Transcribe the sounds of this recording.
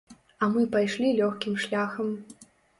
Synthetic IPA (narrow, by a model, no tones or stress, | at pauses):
ɐmɨpajʂlʲilʲɔxkʲimʂlʲaxɐm